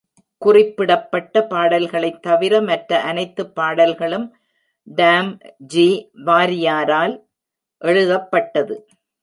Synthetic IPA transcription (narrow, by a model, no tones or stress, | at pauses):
kʊrɪpːɪɽɐpːɐʈːɐpaːɽɐlɣɐɭɐɪt̪ːɐʋɪɾɐmɐʈɾɐʔɐnɐɪt̪ːɯpːaːɽɐlɣɐɭɯm | ɖaːmd͡ʒiːʋaːɾɪjaːɾaːl | ʔɛɻɯðɐpːɐʈːɐðɯ